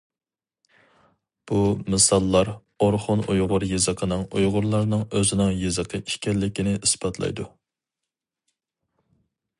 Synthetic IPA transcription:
b̥umɨsɑlˠːɑɾ | oɾχʊnʔujʁʊɾjezəqʰənɨŋujʁʊɾlˠɑɾnɨŋøzɪnɪŋjezəqʰəi̥ʃkʲɛllːɪkʲinɪʔisbɑt̪ʰlˠɑ̰jd̪u

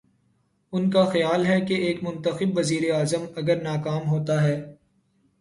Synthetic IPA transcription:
ʊnkaxɐjaːlɦɛkeeːkmʊ̃nt̪əxɪbʋɐziːɾeaːzəmɐɡəɾnaːkaːmɦoːt̪aɦɛː

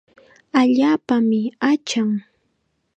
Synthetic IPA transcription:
aʎaːpamɪat͡ʃaŋ

